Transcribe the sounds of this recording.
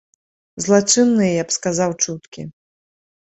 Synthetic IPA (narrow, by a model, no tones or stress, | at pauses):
zlˠat͡ʂɨnːɨjɛjapskazawt͡ʂut̪kʲḭ